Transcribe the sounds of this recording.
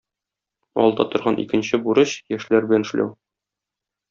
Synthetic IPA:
ɒ̰lˠd̪ɑt̪ŏɾʁɑnʔḭkɘ̆nɕɘbuɾɤɕjæʃlæɾbɘlænɘ̆ʃlæ̰w

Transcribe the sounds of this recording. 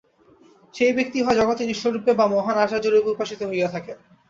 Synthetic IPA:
ʃejbek̚t̪iɦɔed͡ʑɔɡot̪eniʃːoɾupːebamɔɦanaʃad͡ʑoɾibupaʃit̪oɦojet̪ʰake

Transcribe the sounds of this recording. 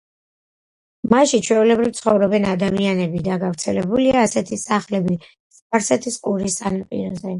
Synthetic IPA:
maʃit͡ʃʰwɛulɛbɾivt̪sʰχɔvɾɔbɛnad̪amianɛbid̪aɡavɾt̪sʰɛlɛbuliaːsɛt̪ʰisaχlɛbi | sp̚ʰaɾsɛt̪ʰiskʼuɾist̪sʼʰanapʼḭɾɔzɛ

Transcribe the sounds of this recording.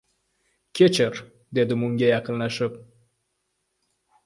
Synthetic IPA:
kʲet͡ʃer | d̪ed̪əmuŋɡʲejakəlnəʃɨp̚

